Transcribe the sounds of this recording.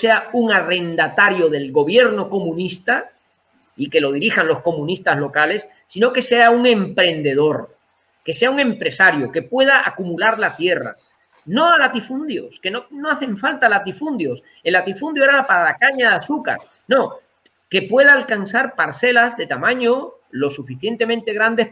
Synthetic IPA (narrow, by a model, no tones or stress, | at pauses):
se̞auŋare̞nd̪at̪aɾjo̞ð̞e̞lɣo̞βje̞ɾno̞ko̞mũnist̪a | ike̞lo̞ðiɾixanlo̞sko̞mũnist̪azlo̞kale̞sːino̞ke̞se̞auŋẽ̞mpɾe̞nd̪e̞ðo̞ɾ | ke̞se̞auŋẽ̞mpɾe̞saɾjoke̞pwe̞ð̞aʔakumulaɾlat̪je̞ra̰ | no̞alat̪ifund̪jo̞ske̞nono̞aθe̞ɱfalt̪alat̪ifund̪jo̞s | elːat̪ifund̪joeɾapaɾalakaɲaðasuka̰ɾ | no̞ | ke̞pwe̞ðaːlkansaɾpaɾse̞lazðe̞t̪amãɲo | lo̞sufiθje̞nt̪e̞mẽnt̪e̞ɣɾand̪e̞